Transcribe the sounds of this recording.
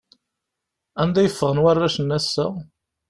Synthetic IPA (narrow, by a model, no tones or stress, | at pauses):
ænd̪æjəfːəʁənwærːæʃənːæsːæ